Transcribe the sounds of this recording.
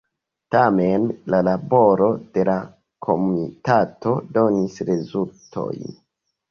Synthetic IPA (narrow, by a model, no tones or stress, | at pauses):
tame̞nlalabo̞ɾo̞d̥e̞la | kʰo̞munitato̞do̞nisɾezultʰo̞̰jn